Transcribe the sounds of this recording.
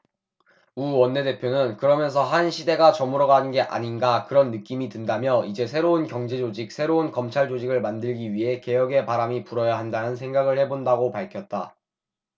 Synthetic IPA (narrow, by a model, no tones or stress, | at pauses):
uwʌnːe̞de̞pʰjonɯnkɯɾʌmjʌns̬ʰʌɦanɕʰide̞ɡat͡ɕʌmuɾʌɡaɯnɡe̞ʔa̰ɲinɡakɯɾʌnːɯk͈imidɯndamjʌid͡ʑe̞sʰe̞ɾounkjʌŋd͡ʑe̞d͡ʑod͡ʑik̚sʰe̞ɾounkʌmt͡ɕʰaɭd͡ʑod͡ʑiɡɯɭmandɯɭɡiɥiɦe̞ke̞jʌɡe̞paɾamipuɾʌjaɦandanɯns̬ʰe̞ŋɡaɡɯɭhe̞bondaɡopaɭkʰjʌt̚t͈a